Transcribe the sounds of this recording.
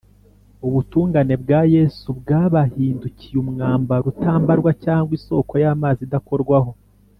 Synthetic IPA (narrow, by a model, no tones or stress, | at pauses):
uβutuːŋɡane̞bɡaːje̞ːsubɡaːβahiːnducijumŋaːmbaɾutaːmbaɾɡwacaːŋɡwiso̞ːko̞jaːmaːzidako̞ɾɡwaho̞